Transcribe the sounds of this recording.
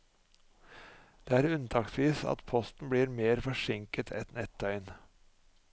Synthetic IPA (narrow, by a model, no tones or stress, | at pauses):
d̪̥eːæːɾʉnt̪ʰɑːksʋiːsɑ̰t̪pʰɔst̪n̩bɽiːɾmeːɾfɔʂɪŋkət̪ʰɛ̰t̪nɛt̪œʏn